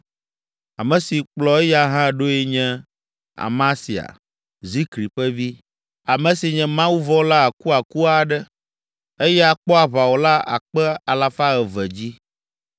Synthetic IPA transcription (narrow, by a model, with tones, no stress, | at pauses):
a˨mɛ̃˨si˨k͡plɔ˨˦ɛ˦ja˦ɦã˦ɖo˦ɛ˦ɲɛ̃˦ | a̰˨mã˦si˨a̰˨ | zi˦kɾi˨ɸɛ˦vi˦ | a˨mɛ̃˨si˨ɲɛ̃˨mã˦wu˦vɔ˦la˦a˨ku˦a˨ku˦a˨ɖɛ˦ | e˦jɛ˦a˨k͡pɔ˦a˨βa˨wo˨la˦a̰˨k͡pɛ˦a˨la˨fa˦ɛ˨vɛ˨d͡ʑi˦